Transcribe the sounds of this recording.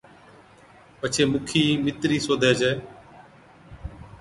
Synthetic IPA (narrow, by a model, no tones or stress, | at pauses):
pət͡ʃʰeːmʊkʰiːmɪt̪ɾiːsoːd̪ʱeːd͡ʒeː